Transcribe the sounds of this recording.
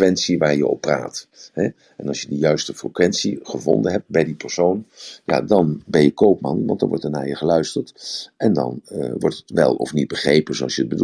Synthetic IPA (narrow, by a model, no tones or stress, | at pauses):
ʋɛntsiʋaːɹjəɔ̰pːra̰ːtɦɛ | ɛnɑlˠsjədəjœɥstəfrəkʋɛnsiχəvɔ̰ndənɦɛp̚t̚bɛjdipɛɹsownja̰dɑnbɛnjəkowpmɑnʋɑntd̥ɑnʋɔ̰ɹtɛɹna̰ːɹjəχəlœɥstəɹtɛndɑ̰nʋɔ̰ɹtətʋɛ̰lˠɔ̰fnit̚bəχrejpənzoɑlˠʃjəəd̚bəd